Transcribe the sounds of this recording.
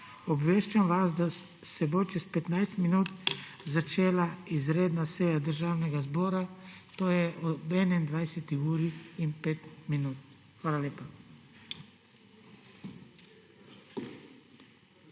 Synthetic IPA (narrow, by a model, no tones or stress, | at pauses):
ɔbʋeːʃt͡ʃamʋasd̪a | sɛbot͡ʃɛspɛt̪najst̪minuːt̪ | zat͡ʃeːlaizɾeːd̪nasɛjad̪əɾʒaːwnɛɡazbɔːɾat̪oːjɛʔɔbɛːnɛnd̪ʋajsɛt̪iuːɾiinpeːt̪minuːt̪̚ | xʋaːlaleːpa